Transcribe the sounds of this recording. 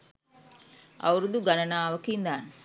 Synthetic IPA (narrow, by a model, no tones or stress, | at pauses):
ɐ̰wɾud̪uɡanɐnaːʋəkind̪aːnə